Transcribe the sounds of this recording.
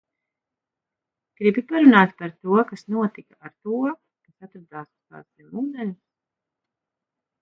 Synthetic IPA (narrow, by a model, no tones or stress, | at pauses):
ɡ̥ɾibipaɾunaːt̪paɾt̪uɔkasnuɔt̪ikaʔaɾt̪uɔ | kasat̪ɾad̪aːska̰ːst̪ɛnuːd̪ɛnʲus